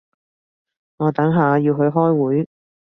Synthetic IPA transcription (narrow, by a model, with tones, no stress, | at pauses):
ŋɔː˨˧t̪ɐ˨˥ŋɦaː˨˧jiː˧wɦɵ˧ɥɦɔː˥jwuː˨˥j